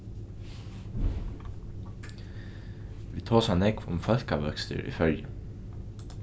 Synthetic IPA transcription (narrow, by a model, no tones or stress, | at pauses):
ʋiːt̪ʰoːsanɛkʋʊ̰mfœl̥kaʋœkst̪ɪ̰ɹʔḭfœɹjə